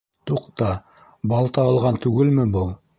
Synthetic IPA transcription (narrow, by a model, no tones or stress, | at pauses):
t̪uqt̪ɑ | bɑlˠt̪ɑɑlˠʁɑnt̪ʉɡɘlmɘbulˠ